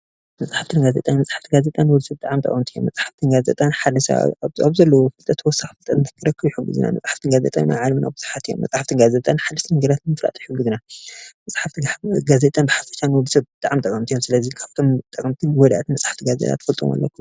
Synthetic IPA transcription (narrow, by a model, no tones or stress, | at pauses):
mɐsʼħaft̪ʰɨnɡaze̞̰t̪ʼanmɐsʼaħḁft̪ʰiɡazet̪ʼanwɔlsɐb̚t̪ʼaʕamt̪ʼɐ̰kʼɐmt̪ʰijo̰mːɐt͡sʼħaft̪ʰɨnɡazḛt̪ʼanħad̪ɨʃa̰aβzɐlːɐwɔfɨlt̪ʼɐt̪ʰwɔsaxfɨlt̪ʼɐnɨnt̪ʰɐ̥kʰːɨɾɐkːɨβjiħuɡːɨ̰zɨ̰na̰mɐ̰t͡sʼħaft̪ʰɨnɡazḛt̪ʼa̰nna̰ʕalmɨnʔa̰bɨz̥ɨħat̪ʰijo̰mːɐt͡sʼħaft̪ʰɨnɡazet̪ʼanħad̪ɨʃt̪ʰɐmɐŋɡɐd̪at̪nɨmɨfɾa̰t̪ʼijħʊɡːɨzɨnamɐsʼħaft̪ɡazet̪ʼanbɨħafɐ̥ʃanwɔd̪sɐbbɨt̪ʼaʕamt̪ʼɐkʼɐmt̪ʰijomsɨlɐzikʰaβt̪ʰomt̪ʼɐkʼmt̪ʰɨnwɔd̪ʔat̪nmɐsʼħḁft̪ʰiɡazḛt̪ʰʼa̰t̪fɐlt̪ʼo̰ma̰lːɐ̰kʰːum